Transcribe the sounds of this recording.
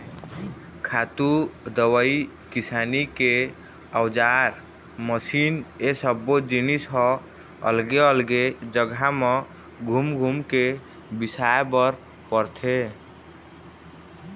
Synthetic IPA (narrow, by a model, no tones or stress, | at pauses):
kʰat̪ud̪əwəi | kisanike | əwd͡ʒaɾ | məsinesəbːod͡ʒinisɦɔ | ə̰lɡeəlɡed͡ʒəɡʱame | ɡʱumɡʱumke | bisaebəɾ | pəɾt̪ʰe